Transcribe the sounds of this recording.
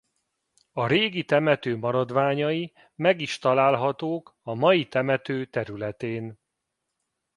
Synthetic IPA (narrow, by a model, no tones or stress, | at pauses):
ɒɾeːɡit̪ɛmɛt̪øːmɒɾɒd̪ʋaːɲɒi | mɛɡiʃt̪ɒlaːlɦɒt̪oːkɒmɒjit̪ɛmɛt̪øːt̪ɛɾylɛt̪eːn